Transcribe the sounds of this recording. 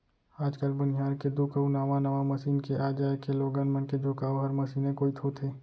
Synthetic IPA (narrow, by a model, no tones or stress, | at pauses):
aːd͡ʒkəlbʊnɪjaːɾked̪uːkəunaːʋanɐʋamɐsiːnkeʔaːd͡ʒaːekeloːɡənmənked͡ʒʱʊkaːoɦɐɾmɐsiːnẽkoːit̪ʰot̪ʰeː